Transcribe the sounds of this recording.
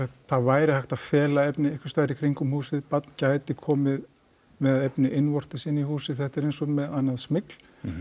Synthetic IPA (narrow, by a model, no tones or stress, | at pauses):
θavaːjɾɪhajxt̪afɛːlaɛpnɪejhkvʏ̥st̪aːðɾɪkʰɾiŋkʏmhuːsɪðpat̪ncaːjt̪ɪkʰɔːmɪð | mɛððɛpnɪʔɪnːvɔr̥t̪ɪsɪnːihuːsɪðθɛht̪ɛɾejnsɔmɛðanːaðsmɪkl̥